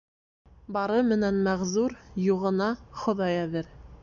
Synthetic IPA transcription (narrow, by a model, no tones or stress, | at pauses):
bɑɾɤmɘ̆nænmæʁzuɾjuʁɤ̆nɑχŏðɑjæðɘɾ